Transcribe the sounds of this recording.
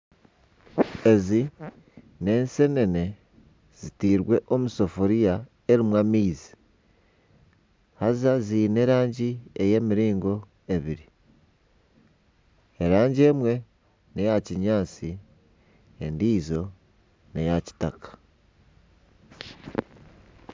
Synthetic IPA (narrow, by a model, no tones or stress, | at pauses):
e̞zi | ne̞ːnse̞ne̞ne̞ | z̥itiːɾwe̞ʔomuso̞foɾija | e̞ɾimwamiːzi̥ | hazaziːne̞ɾaːɲɟie̞je̞miɾiːŋɡo̞ | e̞βiɾi | eɾaːɲɟe̞ːmwe̞ | ne̞jaciɲaːt͡si | endiːzo̞ | nejaci̥takḁ